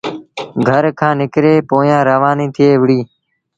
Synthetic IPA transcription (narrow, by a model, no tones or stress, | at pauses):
ɡʱəɾkʰãːnɪkɾeːpoːjãːɾəʋãːnĩːt̪ʰɪeːʋɽiː